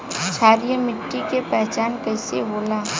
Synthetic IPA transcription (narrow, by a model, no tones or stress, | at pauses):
t͡ʃʰaːɾijəmɪʈːikepɛɦt͡ʃaːnkəɪseboːlaː